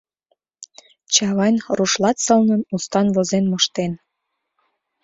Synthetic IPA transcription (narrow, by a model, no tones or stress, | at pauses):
t͡ɕɑβɑjnruʃlɑt̪sɤ̆lnənust̪ɑnβozenmoʃt̪en